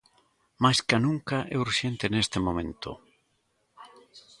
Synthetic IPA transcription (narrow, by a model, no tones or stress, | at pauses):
majskanũŋkaʔɛuɾʃent̪ɪnest̪ɪmõmẽnt̪ʊ̰